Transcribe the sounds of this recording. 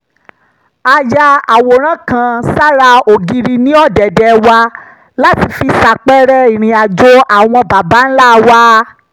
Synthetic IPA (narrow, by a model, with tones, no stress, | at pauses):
a˧ja˧a˨wo˨ɾ̃ã˦kã˧sa˦ɾa˧o˨ɡi˧ɾi˧nĩ˦ɔ˦˨dɛ˨dɛ˨˧wa˧ | la˦ti˧fi˧sa˨k͡pɛ˦ɾɛ˦i˨ɾ̃ĩ˨a˨d͡ʒo˧a˦˨w̃ɔ̃˧ba˨ba˨˦n̩˦la˦˨wa˦